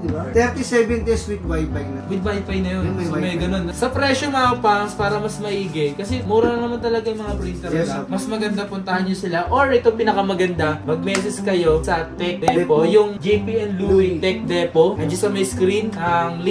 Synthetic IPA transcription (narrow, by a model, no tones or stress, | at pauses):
d̪bt̪ɛɾt̪isɛbɛnd̪eswɪt̪̚wajfɐjnɐwɪd̪̚wajfɐjnɐjonmɐɡɐno̞nsɐpɾɛːʃomɐapaŋspaːɾɐmɐsmɐʔiːɡɛkɐsɛmuːɾɐnɐnɐmant̪ɐlɐɡajɐmɐŋapɾint̪ɛɾamɐsmɐɡɐnd̪apʊnt̪ɐhanjosɪlaʔoɹʔɪt̪opɪnɐkɐmɐɡɐnd̪amɐɡ̚mɛːsɛskɐjo̞sɐt̪ɛk̚d̪ɛpojʊŋd͡ʒɛpiɛnd̪luwit̪ɛk̚d̪ɛpoʔɐnd͡ʒɐsɐmɐjskɾinɐŋl